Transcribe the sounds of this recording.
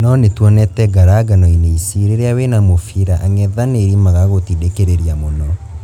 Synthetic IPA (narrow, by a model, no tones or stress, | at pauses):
nɔnetwɔnɛtɛɡaɾaɡanɔineisiɾeɾeawenamofiɾaʔaŋɛðaneɾimaɣaɣotidekeɾeɾiamonɔ